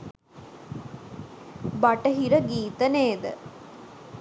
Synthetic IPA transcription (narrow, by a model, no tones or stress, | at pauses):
baʈəɦiɾəɡiːt̪əneːd̪ə̰